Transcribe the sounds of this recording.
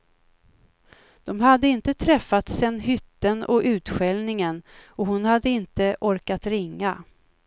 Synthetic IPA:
d̪̥ɔmɦad̪ːəɪnt̪ət̪ʰɾɛfːat̪sɛnːɦʏt̪ːənɔʔʉ̟ːt̪ɧɛlnɪŋənɔhʊnhad̪ːəɪnt̪əʔɔɾkat̪ɾɪŋːa

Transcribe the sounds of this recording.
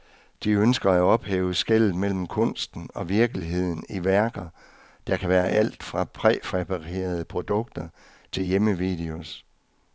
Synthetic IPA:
d̥iønsɡ̥ɐæɒ̽b̥hḛːʊsɡ̥el̰ð̩ˠmel̰m̩kʰɔ̽n̰sd̥n̩ɒ̽ʋiɐɡ̥əliɦe̝ð̞̰ˠn̩iʋæɐɡ̥ɐ | d̥ɑ̈kʰæʋæːɐʔæl̰d̥fʁɑ̈pʰʁɛfʁɛpʰɑʁḛːɐð̞ˠəpʰʁo̝d̥ɔ̽ɡ̥̚d̥ɐ | t͡sʰe̝ljeməʋḭd̥e̝o̝s

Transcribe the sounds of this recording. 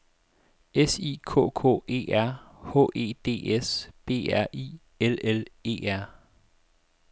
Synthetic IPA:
esḭːkʰɔ̰̽ːkʰɔ̰̽ːe̝̰ːʔæɐ̰hɔ̰ːʔe̝̰ːd̥e̝̰ːesb̥e̝̰ːæɐ̰ʔḭː | elele̝̰ːæɐ̰

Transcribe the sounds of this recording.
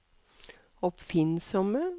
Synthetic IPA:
ɔpfɪnsɔmə

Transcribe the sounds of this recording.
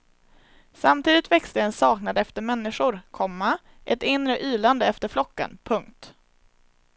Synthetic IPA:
samt̪ʰiːd̪ɪt̪vɛkst̪əɛnsɑːknad̪ɛft̪əɾmɛnːɪʂʊɾkʰɔmːa | ʔɛt̪ɪnːɾəʔyːland̪əɛft̪əɾflɔkːə̰npʰɵŋkt̪

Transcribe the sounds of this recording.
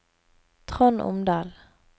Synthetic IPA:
t̪ʰʁɔnʔʊ̰md̪ɑːl

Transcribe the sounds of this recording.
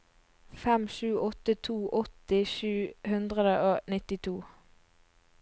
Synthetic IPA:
fɛmʃʉːʔɔt̪ət̪ʰuːʔɔt̪ɪʃʉːhʉnd̪ʁəd̪əʔoːnɪt̪ɪt̪ʰuː

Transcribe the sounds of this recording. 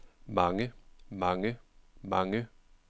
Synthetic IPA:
maŋɪmaŋɛmaŋɪ

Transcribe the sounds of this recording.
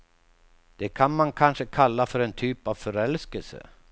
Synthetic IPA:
d̪̥ɛkʰanmankʰanʂəkʰalːafœɾɛnt̪ʰyːpavfœɾɛlskəlsə̰

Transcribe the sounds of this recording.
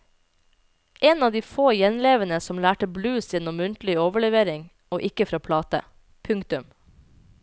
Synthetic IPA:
ʔeːnɑːʋd̪iːfoːjɛnleːʋənəsɔmlæːʈəblʉːsjɛnɔmːʉnt̪l̩ɪoːʋəɭɛʋeːɾɪŋ | oːʔɪkəfɾɑːpʰlɑːt̪ə̰ | pʰʉŋkt̪ʉm

